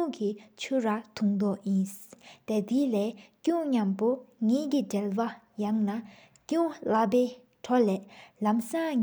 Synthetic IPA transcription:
uŋkit͡ɕʰuɹat̪ʰuŋd̪ɔʔjint̪et̪ilɛːcuŋɲampoŋɛːkiʈ͡ʂɛlwajaŋna | cuŋlapɛː | ʈ͡ʂʰɔlɛːlamsaɲ

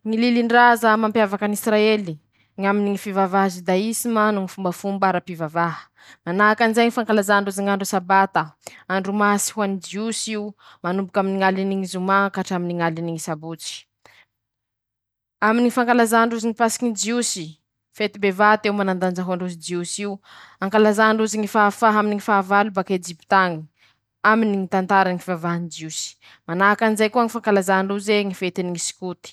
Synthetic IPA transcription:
ŋililiɳɖ͡ʐazamampjavakanisɾaeli | ŋaminiŋifivavaɦzid̪aisimanuŋifumbəfumbaɾapivavaɦə̥ | manakanizajŋifaŋkalazaɳɖ͡ʐuziŋaɳɖ͡ʐusabat̪əaɳɖ͡ʐumasi̥huanid͡ʒiusiu | manumbukʲaminiŋaliniŋizumakaʈ͡ʂaminiŋaliniŋisabut͡si̥ | aminiifaŋkalazaɳɖ͡ʐuziŋipasi̥ɲid͡ʒiusi | fet̪ibevat̪ewmanand̪anaɦuaɳɖ͡ʐus̬id͡ʒiusiu | aŋkalazaɳɖ͡ʐuziŋifafaɦaminiŋifaːvalubaked͡ʒipit̪aŋi | aminiŋit̪ant̪aɾaŋivavaɦnid͡ʒiusi̥ | manaakanizajkuəŋifaŋkalazaɳɖ͡ʐuzeŋifet̪iniŋisi̥kut̪i̥

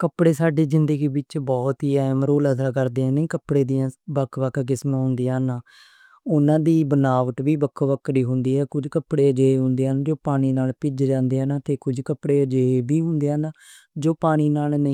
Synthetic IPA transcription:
kəpɽeːsaːɖeːzɪnd̪əɡiːbɪt͡ʃbɔːt̪ɦiːɛːmɾoːləsaːkəɾd̪eːãːnĩːkəpɽeːd̪iːãːbəkʰːʋəkʰɡɪsmãːɦʊ̃nd̪ijãːnaː | ʊnãːd̪iːbənaːʋəʈ̪ʋiːbəkʰːʋəkːɾiːɦʊ̃nd̪iːɦɛːkʊd͡ʒkəpɽeːd͡ʒeːeɦʊ̃nd̪eːaːnd͡ʒoːpaːñiːnaːlpɪd͡ʒd͡ʒãːnd̪eːɦaːnaːt̪eːkʊd͡ʒkəpɽeːd͡ʒeeːbiːɦʊ̃nd̪eːaːnaː | d͡ʒoːpaːñiːnaːlnəĩː

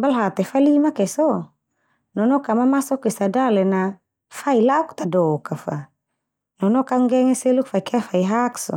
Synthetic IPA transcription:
balɦat̪ɛfalimakɛsɔ | nɔnɔkamamasɔkɛsadalɛna | failauk̚t̪adɔkafa | nɔnɔkaŋɡɛŋɛsɛlukfaikʰafaiɦaksɔ̰

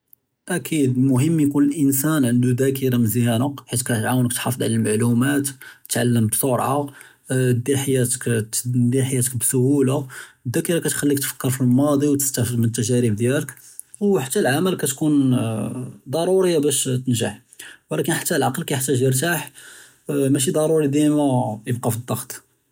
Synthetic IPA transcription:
ʔækid̪mʊɦəmːjkunəlʔənsænʕənd̪ud̪ækəɾɑmzjænəkħit̪kæt̪ʕawənəkt̪ħɑfəd̪ˤʕa̰lælmaʕlumæt̪t̪ʕalːəmbsˤoɾˤʕa | d̪ilħajːæt̪ə̥kd̪ilħajæt̪ək̚bsʊhulad̪ækiɾɑkæt̪xælːik̚t̪fə̥kːəɾˤfilmɑd̪ˤiwt̪ə̥st̪æfəd̪mənət̪ːæʒæɾibd̪jælək | wħḁt̪ːælʕaməlkæt̪kun | d̪ˤɑɾˤuɾəjːabæʃt̪ənʒaħ | wlækənħḁt̪ːælʕɑqlkæjəħt̪ːæʒjəɾt̪aħ | mæʃ̬id̪ˤɑɾˤuɾid̪imæjəbqɑfid̪ˤːɑxt̪ˤ

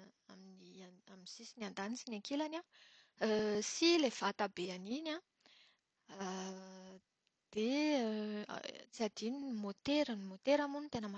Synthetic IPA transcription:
aminiaminsisiniand̪anisinaŋkelana | silefat̪abeaninã | d̪̥ḛ | t͡siad̪inimot̪eɾanimot̪eɾamunit̪enəma

